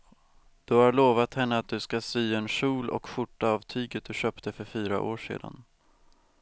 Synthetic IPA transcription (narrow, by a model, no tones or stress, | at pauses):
d̪̥ɵhaɾɭoːvat̪hɛnːəat̪̚d̪ɵskasyːɛnʂuːlɔ̰kɧʊʈːaaːvt̪ʰyːɡət̪̚d̪ɵɕœːpt̪əfœɾfyːɾa̰ʔoːʂḛːd̪a̰n